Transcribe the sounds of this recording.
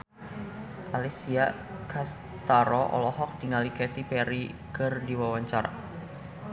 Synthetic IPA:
ʔalisia | kʰas | t̪aɾɔʔɔ̰lɔhɔk̚diŋalikɛt̪ipɛɾikɨrdiwawaɲt͡ʃaɾa̰

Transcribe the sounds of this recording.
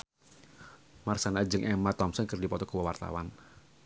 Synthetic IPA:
marsanad͡ʒəŋʔɛmat̪ɔmsənkərdipɔt̪ɔkəwəwart̪a̰wan

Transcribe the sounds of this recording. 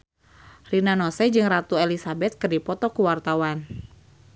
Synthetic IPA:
rinanɔsɛd͡ʒɨŋrat̪uelisabɛt̪̚kɨrdipɔt̪ɔkuwart̪awan

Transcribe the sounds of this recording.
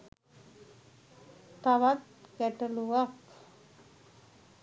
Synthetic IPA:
t̪aʋat̪kæʈəluʋak

